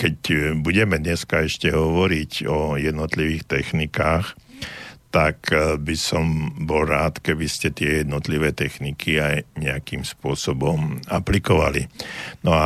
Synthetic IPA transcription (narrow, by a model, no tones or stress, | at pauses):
kɛcbuɟɛmɛd̪ɲɛskaɛʃcɛɦɔʋɔɾicɔjɛd̪nɔt̪liʋiːxt̪ɛxnikaːx | t̪akbisɔmbɔlɾaːt̪kɛbiscɛt̪ɪɛjɛd̪nɔt̪liʋɛːt̪ɛxnikʰiajɲɛakimspʊɔsɔbɔmaplikɔʋa̰lḭnɔa